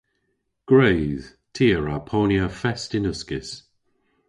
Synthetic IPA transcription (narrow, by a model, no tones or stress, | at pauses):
ɡ̥ɹejð̥ | tʰiːəɹapʰoːnjəfɛstɪnʊskɪs